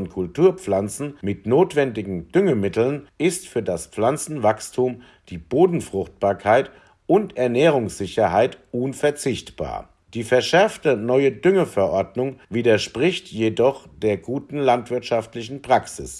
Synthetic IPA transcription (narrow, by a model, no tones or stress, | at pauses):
nkʰʊltuːɐpp͡flant͡sn̩mɪtnoːtv̥ɛndɪɡŋ̩d̥ʏŋəmɪtl̩nʔɪstfyːɐdaspp͡flant͡sn̩vakstʰuːm | d̥iːboːdn̩fʁ̥ʊχt̚b̥aːɐkʰaɪt | ʔʊntɛɐnɛːʁ̞ʊŋsz̥ɪçɐɦaɪtʔuːnfɛɐt͡sɪçtb̥a̰ːɐ | d̥iːfɛɐʃɛɐftənɔʏədʏŋəfɛɐʔɔɐdnʊŋviːdɐʃpʁ̥ɪçtʰjedɔχd̥eːɐɡuːtn̩lantv̥ɪɐtʃaftlɪç̬n̩pʁ̥aksɪs